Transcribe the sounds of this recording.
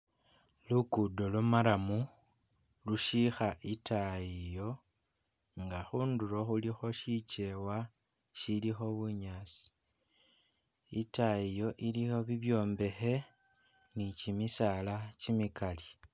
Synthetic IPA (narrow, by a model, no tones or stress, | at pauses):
lukudo̞lumaɾamu | luʃixaʔitaijo̞ | ŋɡaxuːnduɾo̞xulixo̞ʃit͡ʃe̞wa | ʃilixo̞βuɲaːt͡si̥ | itaijo̞ʔilixo̞βiβjo̞ːmbe̞xe̞ | nicimisalat͡ʃimikali